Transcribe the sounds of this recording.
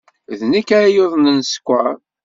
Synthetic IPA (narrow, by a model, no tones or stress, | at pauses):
ðnikːaɾajoðˤnənsə̥kʷːa